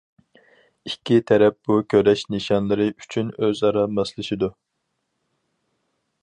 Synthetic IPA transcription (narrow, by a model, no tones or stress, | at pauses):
ikʲʰːit̪ʰɛɾɛp̚b̥ukʲʰøɾɛʃnɨʃɑnlˠɨɾɨʔyt͡ʃʰynøzɑɾɑmɑslˠɨʃid̪u